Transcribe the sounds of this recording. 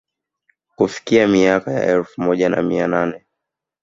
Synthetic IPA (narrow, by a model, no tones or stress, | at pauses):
kufi̥kiamiakaja̰ʔɛlfumɔʄana̰miananɛ